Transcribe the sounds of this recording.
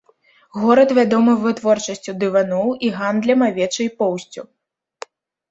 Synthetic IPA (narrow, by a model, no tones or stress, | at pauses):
ɣɔɾɐt̪vʲad̪ɔmɨvɨt̪vɔrt͡ʂɐsʲt͡sʲud̪ɨvanɔwiɣand̪lʲɐmavʲɛt͡ʂɨjpɔwsʲt͡sʲu